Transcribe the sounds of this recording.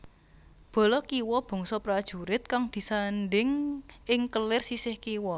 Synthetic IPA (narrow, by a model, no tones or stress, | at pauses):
b̥ɔ̤lɔkiwɔb̥ɔ̤ŋsɔpɾad̥ʒ̥ṳɾɪt̪̚kaŋd̪̥i̤sanɖɪŋʔɪŋkəlɪrsisɪhkiwɔ